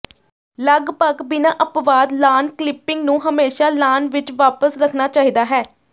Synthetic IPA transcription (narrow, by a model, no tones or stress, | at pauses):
ləɡbəɡbɪnãːʔəpʋaːd̪laːnklɪpːɪŋɡnũːɦəmeːʃaːlaːnʋɪt͡ʃʋaːpəsɾəkʰnaːt͡ʃaːɦiːd̪aːɦɛː